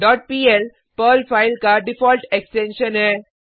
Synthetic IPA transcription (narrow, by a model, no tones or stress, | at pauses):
ɖɔːʈ̚piːel | pəlfaɪlkaɖɪfɔːlʈeksʈẽnʃənɦɛ